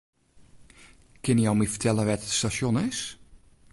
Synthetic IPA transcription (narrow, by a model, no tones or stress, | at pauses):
kɪnəjowmifə̥tʰɛlˠəʋɛtstaʃjonɪs